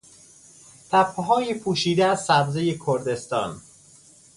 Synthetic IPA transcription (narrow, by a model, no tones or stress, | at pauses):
t̪ʰæpʰɦɒːjepʰuːʃiːd̪eæzsæbzejekʰoɾd̪e̞st̪ɒ̰ːn